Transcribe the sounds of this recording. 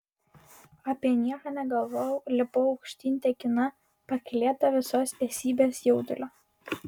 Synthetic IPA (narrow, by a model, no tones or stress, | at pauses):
ɐpʲiɛnʲiɛkɐnʲɛɡɐlˠʋɔjlʲɪpoːɒʊkʃʲt̪ʲinʲt̪ʲɛkʲɪnɐ | pɐkʲlʲeːt̪ɐʋʲɪsoːst̪ʲɛːsʲiːbʲeːsjoʊd̪ʊlʲoː